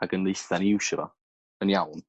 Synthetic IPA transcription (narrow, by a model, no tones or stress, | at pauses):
aɡənðejθaniwʃəvɔ̰ | ənjawn